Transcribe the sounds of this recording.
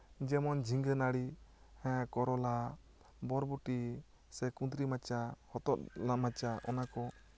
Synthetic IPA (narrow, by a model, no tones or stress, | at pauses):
d͡ʒɛmɔnd͡ʒʱiŋɡənaɽihɛ̃kɔɾɔla | bɔɾbuʈi | sɛkud̪ɾimat͡ʃahɔt̪ɔt̪̚lamat͡ʃaʔɔnakɔ